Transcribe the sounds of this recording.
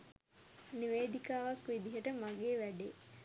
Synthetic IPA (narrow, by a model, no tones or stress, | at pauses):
niʋeːd̪ikaːʋakʋid̪iɦəʈəmaɡeːʋæɖeː